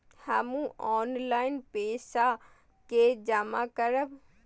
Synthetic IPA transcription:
həmũɔːnlaɪnpeːsa | ked͡ʒəmakəɾəb

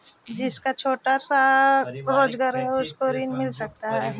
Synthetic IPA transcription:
d͡ʒɪskat͡ʃʰoːʈasa | ɾoːd͡ʒɡaːɾɦɛʊskoɾinmɪlsɐk̚t̪aɦɛː

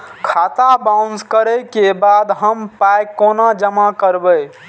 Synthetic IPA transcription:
kʰat̪abawnskəɾəjkebad̪ɦəmpajkːonad͡ʒəmakəɾbəj

